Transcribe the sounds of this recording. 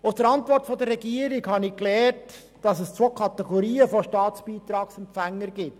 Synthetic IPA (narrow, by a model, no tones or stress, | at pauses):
ʊsd̥əɾɑntʋɔrtfɔd̪ərɾɛɡiːəɾiɡhɑnɪklɛːɾt | d̥ɑsəst͡sʋokʰɑt̪ɛɡɔɾiːəfoʃtɑːt͡spiːt̪ɾɑːksɛmpfæŋːəɾɡɪt